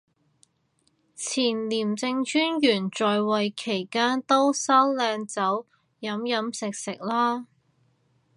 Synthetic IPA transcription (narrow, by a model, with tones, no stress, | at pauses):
t͡sʰiː˨˩nliː˨˩mt͡sɪ˧ŋt͡ʃyː˥njyː˨˩nt͡sɔː˨jwɐ˨jkʰe˨˩jkaː˥nt̪o˥wsaː˥wlɛː˧ŋt͡sɐ˨˥w | jɐ˨˧˥mjɐ˨˥msɪ˨k̚sɪ˨k̚laː˥